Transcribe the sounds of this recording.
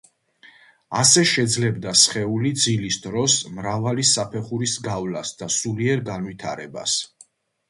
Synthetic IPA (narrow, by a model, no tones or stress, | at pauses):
asɛʃɛd̪zlɛbd̪asχɛulid̪zilisd̪ɾɔsmɾavalisapʰɛχuɾisɡavlasd̪asuliɛɾɡanvit̪ʰa̰ɾɛba̰s